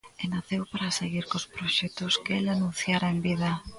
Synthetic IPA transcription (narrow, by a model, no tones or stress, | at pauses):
enaθewpaɾaseɣiɾkospɾoʃɛt̪oskeelanũn̟θjaɾaembiða